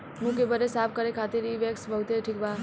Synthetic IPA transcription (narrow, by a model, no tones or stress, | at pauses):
mũkebəɾesap̚ʰkəɾekʰat̪iɾiʋeksbəɦut̪eʈʰikba